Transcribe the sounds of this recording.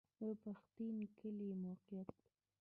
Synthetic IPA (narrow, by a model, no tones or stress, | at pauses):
d̪əpaxt̪inkəlimowqijat̪̚a